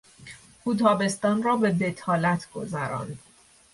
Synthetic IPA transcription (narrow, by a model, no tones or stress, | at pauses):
kuːt̪ʰɒːbe̞st̪ɒːnrɒːbe̞d̪e̞t̪ʰɒːlæt̪ʰɡ̥o̞̰zæɾɒ̰ːnd̪̥